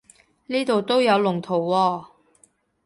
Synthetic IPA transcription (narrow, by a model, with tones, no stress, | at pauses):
niː˥t̪o˨wt̪o˥wjɐ˨˧wlʊ˨˩ŋt̪ʰo˨˩wːɔː˧